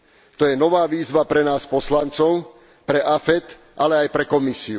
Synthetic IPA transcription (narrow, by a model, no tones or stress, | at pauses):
t̪ɔjɛnɔʋaːʋiːzʋapɾɛnaːspɔslant͡sɔʊ | pɾɛʔafɛt̪ | ʔalɛajpɾɛkɔmisiu